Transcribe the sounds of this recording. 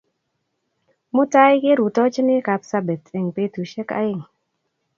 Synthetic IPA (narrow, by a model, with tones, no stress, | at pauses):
mʊ˦ta˦jkɪ˦ɾu˨tɔ˦t͡ʃnɪ˦ka˨psa˦be˨tɪ˨ŋpe˦tu˨ʃe˦ka̰˦ɪ˦˨ŋ